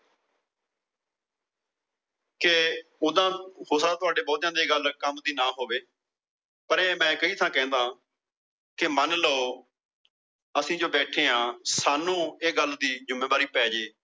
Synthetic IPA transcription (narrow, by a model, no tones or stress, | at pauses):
keʊd̪ãːhoːsaːt̪ʊaːɖeːbɔːt̪jãːd̪eːɡəlkəmd̪iːnaːɦoːʋeː | pəɾeːmɛ̃ːkəiːt̪ʰãːkɛ̃ːnd̪aː | kɪmənləoː | əsĩːd͡ʒoːbɛːʈʰeːãːsaːnũːeːɡəld̪iːd͡ʒʊmːẽːbaːɾiːpɛːd͡ʒeː